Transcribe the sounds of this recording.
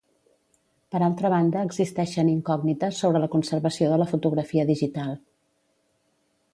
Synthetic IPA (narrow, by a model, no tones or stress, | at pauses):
pəɾalˠt̪ɾəβ̞and̪əːɡzist̪ɛʃəniŋkɔɡnit̪əsːoβɾələkunsərβəsioðələfut̪uɣɾəfiəðiʒit̪alˠ